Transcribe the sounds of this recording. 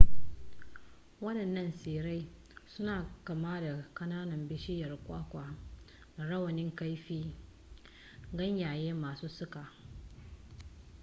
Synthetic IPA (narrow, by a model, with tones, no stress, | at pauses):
wɐ˦ɗɐ˨nːɐ˦nseː˨ɾa˦j | sʊ˦naː˨kɐ˨maː˦da˨kɐ˦naː˦nɐ˨mbɪ˦ʃɪ˦jɐ˨rkʷʼaː˦kʷaː˨ | da˨ɽɐ˦wɐ˨nɪ˦ŋka˦jɸiː˦ | ɡɐ˦ɲjaː˨jeː˦maː˨suː˦sʊ˦kaː˨